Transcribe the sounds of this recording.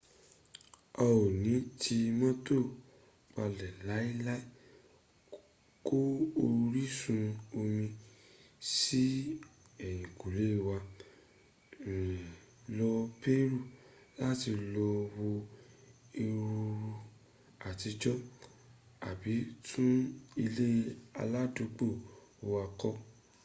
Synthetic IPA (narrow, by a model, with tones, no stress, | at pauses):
ɔ˧o˨nĩ˨˦tʰi˧mɔ̃˦to˦˨ | k͡pa˧lɛ˨la˨˦i˦la˦i˦ | ko˦o˧ɾi˦sũ˧o˧mĩ˧ | si˦ | ɛ˨j̃ĩ˨ku˨le˨˦˨wa˧˨ | lɔ˧pe˦ɾu˦˨ | la˦ti˧lɔ˧wo˧ | e˧ɾu˧ɾu˧ | a˨ti˧d͡ʒɔ˦ | a̰˨bi˨˦tʰũ˦i˧le˦a̰˧la˦do˨˦k͡po˦˨o˧a˧kɔ˦